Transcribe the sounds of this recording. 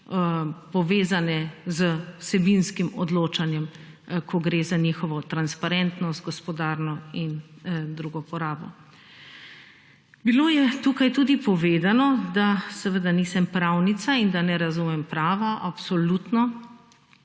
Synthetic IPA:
pɔʋeːzanɛzəwsɛbinskimɔd̪loːt͡ʃanjɛm | kʰɔɡɾeːzanixɔʋɔt̪ɾanspaɾɛnt̪nɔst̪̚ɡɔspɔd̪aːɾnɔind̪ɾuɡɔpɔɾaːbɔ̰ | biloːjɛt̪ukajt̪uːd̪ipɔʋeːd̪anɔd̪asɛʋəd̪aniːsɛmpɾawnit̪saind̪anɛɾazumɛmpɾaːʋaʔapsɔlut̪nɔ

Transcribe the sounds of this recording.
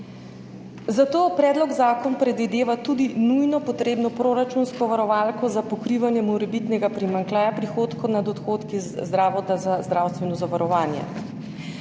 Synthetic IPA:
zat̪oːpɾɛːd̪lɔɡzaːkɔnpɾɛd̪ʋid̪eːʋat̪uːd̪inujnɔpɔt̪ɾeːbnɔpɾoɾat͡ʃunskɔʋaɾɔʋaːlkɔzapɔkɾiːʋanjɛmɔɾɛbit̪nɛɡapɾimaŋklaːjapɾixoːt̪kɔnad̪ɔt̪xoːt̪kizzd̪ɾaːʋɔt̪azazd̪ɾawst̪ʋɛnɔzaʋaɾɔʋaːnjɛ̰

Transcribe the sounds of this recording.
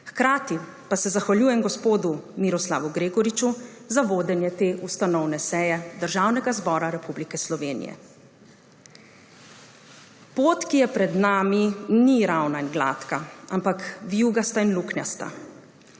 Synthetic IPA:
xkɾaːt̪i | pasɛzaxʋaljuːjɛmɡɔspoːd̪umiɾɔsla̰ːʋuɡɾeːɡɔɾit͡ʃu | zaʋoːd̪ɛnjɛt̪eːʔust̪anɔwnɛsɛjɛd̪əɾʒaːwnɛɡazbɔːɾaɾɛpublikɛslɔʋeːnḭjɛ̰ | poːt̪kijɛpɾɛd̪naːminiɾawnainɡla̰ːt̪kaampakʋjuːɡast̪ainluknja̰st̪a̰

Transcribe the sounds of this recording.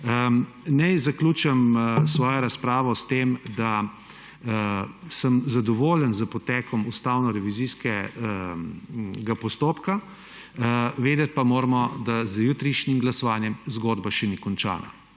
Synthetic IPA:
ə | nɛjzakluːt͡ʃɛmsʋɔːjɔɾaspɾaːʋɔst̪eːmd̪a | səmzad̪ɔʋoːlənzəpɔt̪ɛkʰɔmust̪awnɔɾɛʋiziːskɛ | ɡapɔst̪oːpka | ʋeːd̪ɛt̪̚pamoːɾmɔd̪azjuːt̪ɾiʃnimɡlasɔʋaːnjɛmzɡoːd̪baʃɛnikɔnt͡ʃa̰ːna̰

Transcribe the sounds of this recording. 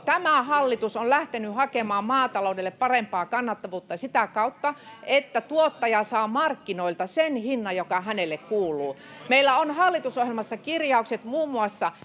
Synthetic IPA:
t̪æmæhɑlːit̪usonlæht̪enyhɑkemɑːmmɑːt̪ɑloudelːeppɑrempɑːkɑnːɑt̪ːɑʋuːt̪ːɑsit̪ækɑut̪ːɑʔet̪ːæt̪uot̪ːɑjɑsɑːmɑrkːinoilt̪ɑsenhinːɑjokɑhænelːekkuːlˑuː | meilːˑæonhɑlːit̪usohjelmɑsːɑkirjɑukset̪muːmːuɑsːɑ

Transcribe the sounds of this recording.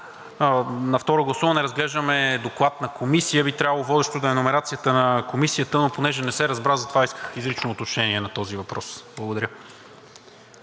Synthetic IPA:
nɐft̪ɔɾoɡlˠɐsuvənɛɾɐzɡlɛʒd̪əmɛd̪oklˠat̪nɐkomisijəbit̪ɾjavɐlˠovɔd̪ɛʃt̪od̪ɐɛnomɛɾat̪sijət̪ənɐkomisijət̪ənoponɛʒɛnɛsɛɾɐzbɾazɐt̪ovaiskə̥xizɾit͡ʃnoːt̪ot͡ʃnɛniɛnɐt̪ɔzivɐpɾɔsblˠəɡʊd̪ɐɾʲə

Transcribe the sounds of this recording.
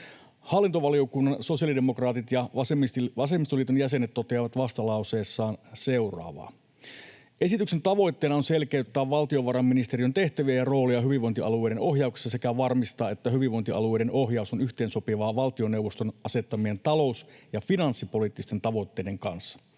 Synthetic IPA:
hɑlːint̪oʋɑlio̞kunːɑnso̞sijɑlidemo̞krɑːt̪it̪jɑɑsemʋɑsemist̪oliːt̪onjæse̞net̪ːo̞t̪eɑʋɑt̪ʋɑst̪ɑlɑwse̞ːsːɑːnse̞urɑ̰ːʋɑ̰ː | ʔe̞sit̪ykse̞nt̪ɑʋo̞jt̪ːeːnɑonse̞lkeyt̪ːæːʋʋɑlt̪io̞ʋɑɾɑmːinist̪e̞ɾijønt̪e̞ht̪æʋiæjɑro̞ːliɑɦyʋiʋo̞nt̪iɑ̰lue̞ːɾeno̞ɦjɑukse̥sːɑsekæʋɑrmist̪ɑːe̞t̪ːæɦyʋiʋo̞nt̪iɑ̰luejɾeno̞ɦjɑusonyçt̪e̞ːnso̞piʋɑːʋɑlt̪io̞newʋost̪onʔɑse̞t̪ːɑmient̪ɑlo̞usjɑfinɑnsːipo̞lit̪ːist̪e̞nt̪ɑʋo̞it̪ːe̞ːdeŋkɑnsːɑ̥

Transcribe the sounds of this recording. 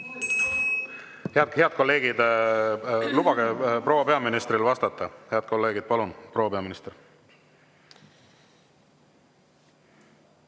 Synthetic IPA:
heɑd̪heɑd̪̥̚ko̞lːe̞ːɡ̥id̪ | lub̥ɑɡ̥epro̞wɑpe̞ɑminist̪rilvɑst̪ɑt̪ːˑɑheɑd̪̚ko̞lːe̞ːɡid̪̥̚pɑlunpro̞wːɑpe̞ɑminist̪er

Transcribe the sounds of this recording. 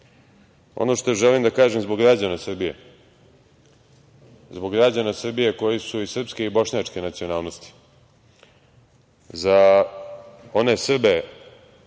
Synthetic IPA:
o̞̰no̞ʃt̪oʒɛlimd̪akaːʒemzbo̞ɡɡɾad͡ʑanasr̩bijḛ | zbo̞ɡɾad͡ʑanasr̩bije̞ko̞jisuisr̩pske̞ibo̞ʃɲat͡ʂke̞nat̪sijonaːlno̞st̪i̥ | za | o̞ne̞sr̩be

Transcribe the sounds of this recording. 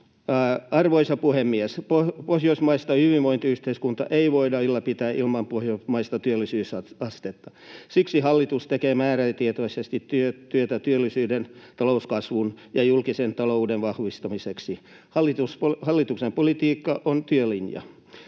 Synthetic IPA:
ɑrʋoisɑpuhemːiespopohjoismɑist̪ɑhyʋiʋʋoint̪iyht̪eiskunt̪ɑ̰ʔeiʋoidɑilːɑpit̪æːʔilmɑmpohjomɑist̪ɑt̪yølːisyːsɑɑst̪et̪ːɑ | siksihɑlːit̪ust̪ekeːmæːɾæt̪iet̪oisest̪it̪t̪yøt̪yøt̪æt̪yølːisyːdent̪ɑlouskɑsʋunjɑjulkisent̪ɑloudeʋʋɑhʋist̪ɑmiseksi | hɑlːˑit̪usphɑlːit̪uksempolit̪iːkːɑʔont̪yølinjɑ̰

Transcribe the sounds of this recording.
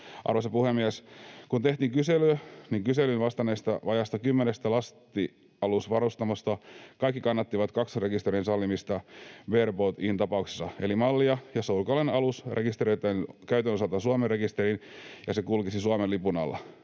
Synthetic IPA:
ʔɑ̰rʋosepuhemːiæskunt̪eht̪iːŋkyselyøniŋkyselynʋɑst̪ɑneːst̪ɑʋɑjɑst̪ɑkymːenest̪ælɑst̪i | ɑlusʋɑɾust̪ɑmɑst̪ɑkɑikːikɑnːɑt̪ːiʋɑt̪kɑksre̞kist̪eɾinsɑlːimist̪ɑberbot̪int̪ɑpɑukse̥sːɑelimɑlːiɑjɑsoulkolenɑlusrekist̪eɾioit̪ːɑnkæyt̪ønosɑlt̪ɑsuɑmerrekist̪eɾinjɑsekulkisisuɑmenlipunɑ̰lːɑ̰

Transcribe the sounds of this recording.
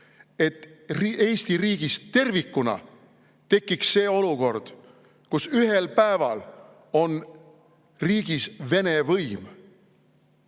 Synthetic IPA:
e̞t̪ːrie̞ːst̪iriːɡ̥ist̪e̞rvikːˑunɑ̰ | t̪e̞kːiksːe̞ːo̞luko̞rd̪̥ | kusyɦelpæevɑl | o̞n | riːɡ̥isve̞ne̞vɤjm

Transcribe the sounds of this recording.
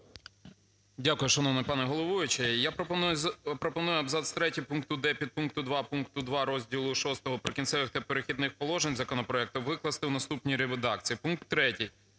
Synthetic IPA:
dʲakʊjʊʃɐnɔwnɪpɑnɛɦɔlˠɔʋujʊt͡ʃɪjapɾɔpɾɔpɔnujʊɐbzɑt̪st̪ɾɛtʲipunkt̪ʊd̪ɛpʲid̪̚punk̚t̪ʊd̪ʋɑpunkt̪ʊd̪ʋɑɾɔzʲdʲilˠʊʃɔst̪ɔɦɔpɾɪkʲinsʲɛʋɪxt̪ɐpeɾexʲid̪nɪxpɔlˠɔʒenʲzɐkɔnɔpɾɔɛk̚t̪ʊʋɪklˠɐst̪ɪwnɐst̪upnʲijɾeʋed̪ɑk̚t͡sʲijipunk̚t̪ːɾɛtʲij

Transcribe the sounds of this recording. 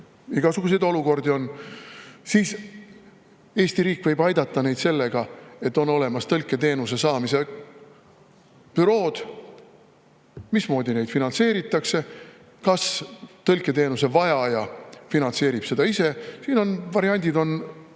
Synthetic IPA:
iɡ̥ɑsuɡ̥us̬e̞jd̪o̞luko̞rd̪io̞n | siːs | e̞ːsʲt̪iɾiːkˑvɤjbɑjd̪ɑt̪ːˑɑne̞jd̪se̞lːe̞ɡ̥ɑe̞t̪ːˑo̞no̞le̞mɑst̪ɤlkːˑe̞t̪e̞ːnuse̞sɑːmise̞ | pyɾo̞ːd̪̥ | mismo̞ːd̪ine̞jd̪finɑnse̞ːɾit̪ːˑɑkse̞ | kɑst̪ɤlkːˑe̞t̪e̞ːnuse̞vɑjɑjɑfinɑnt̪se̞ːɾib̥se̞d̪ɑise̞siːno̞nvɑɾiɑnʲd̪ʲid̪o̞n

